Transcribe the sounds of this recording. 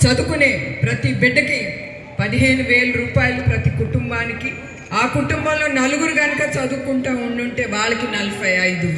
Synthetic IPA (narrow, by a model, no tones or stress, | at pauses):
t͡ʃɐd̪ukune̞ːpɾɐt̪ibiɖːɐki | pɐd̪iɦe̞ːnuʋe̞ːlɐɾuːpaːjɐlupɾɐt̪ikuʈumbaːniki | aːkuʈumbɐmlo̞ːnɐluɡuɾuɡɐnɐkɐt͡ʃɐd̪uːkuɳʈɐːuɳɖuɳʈe̞ːʋaːɭɐkinɐlupɐjɐjd̪u